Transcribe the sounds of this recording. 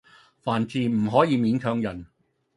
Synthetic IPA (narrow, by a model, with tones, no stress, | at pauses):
faː˨˩nt͡siː˨m̩˨˩ɦɔː˨˥jiː˨˧miː˨˥nt͡ʃʰœː˧˥ŋjɐ˨˩n